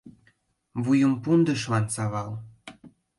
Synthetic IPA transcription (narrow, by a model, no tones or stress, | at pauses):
βujumpund̪ə̆ʃlɑnsɑβɑl